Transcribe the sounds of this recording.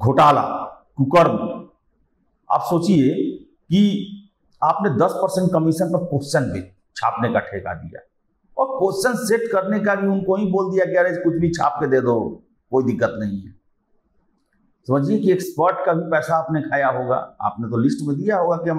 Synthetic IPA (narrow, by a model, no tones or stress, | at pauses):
ɡʱoːʈaːla̰ː | kʊkəɾm | a̰ːpsoːt͡ʃie | ki | aːpned̪ɐspəɾsə̃ɳʈ̚kəmiʃənt̪əpoːsʃənke | t͡ʃʰa̰ːpnekaʈʰeka̰d̪ḭja̰ː | ɔːɾpoːsʃənseʈkəɾnekabʱiʊnkoɦĩboːld̪ijaɡjaɾed͡ʒkʊt͡ʃʰbʱit͡ʃʰa̰ːp̚ked̪eːd̪o | koːid̪ɪkːət̪nɐɦĩɦɛ̰ | sɐməd͡ʒʱiekiekspəɾʈkabʱipɛːsaːpnekʰaːjaɦoːɡa̰ːa̰ːpnet̪olɪsʈmẽd̪ijaɦoːɡakiɦɐm